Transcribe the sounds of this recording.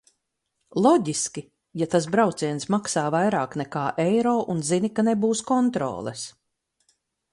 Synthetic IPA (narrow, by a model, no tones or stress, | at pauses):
lˠɔɟiskʲi | jat̪as̬bɾawt̪siɛnsmaksaːvajɾaːknɛkaːʔejɾɔːʔunzinikanebuːskɔnt̪ɾɔ̰ːlˠɛs